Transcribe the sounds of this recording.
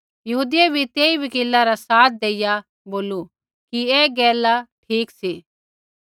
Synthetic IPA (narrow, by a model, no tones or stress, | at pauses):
jɐɦuːd̪ɪjebʱit̪eːiʋɐkeːlːaɾasaːt̪̚ʰd̪eːɪja | boːlu | kiɛːɡɛːlaʈʰiːksiː